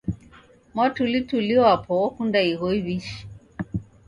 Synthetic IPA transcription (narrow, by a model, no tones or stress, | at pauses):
mwatulituliɔapʰɔɔkundaiɣɔiβiʃi̥